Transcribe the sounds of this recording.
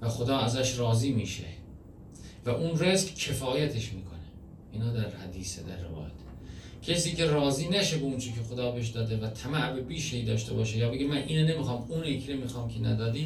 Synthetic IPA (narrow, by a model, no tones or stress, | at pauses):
væxod̪ɒːæzæʃɾɒːziːmiːʃḛ | væʔunreskcʰe̞fɒːjæt̪ʰe̞ʃmiːkʰo̞ne | ʔiːnɒːd̪æɾhæd̪iːsed̪æ̰ɾːevɒ̰ːjæ̰t̪ʰ | cʰesiːce̞rɒːziːnæʃebeunt͡ʃʰicʰexod̪ɒːbeʃ̬d̪ɒːd̪evæt̪ʰæmæʔbebiːʃeiːd̪ɒːʃt̪e̞bɒːʃejɒːbeɡemænʔiːnene̞mixɒːmuːnekʰɾemiːxɒːmkʰenæ̰d̪ɒːd̪iː